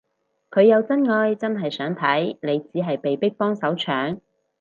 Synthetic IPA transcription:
kʰɵ˨˧ɥjɐ˨˧wt͡sɐ˥nŋɔː˧jt͡sɐ˥nɦɐ˨jsœː˨˥ŋt̪ʰɐ˨˥jne˨˧jt͡siː˨˥ɦɐ˨jpe˨jpɪ˥k̚pɔː˥ŋsɐ˨˥wt͡ʃʰœː˨˥ŋ

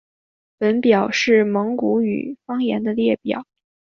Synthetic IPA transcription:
pə˧˥npjɑ˨˩ʊʂɻ̩˥˩mɤ˧˥ŋku˧˥y̰˨˩fɑ˥ŋjɛ̰˧˥nd̪ə˧ljɛ˥˩pjɑ̰˨˩˦ʊ

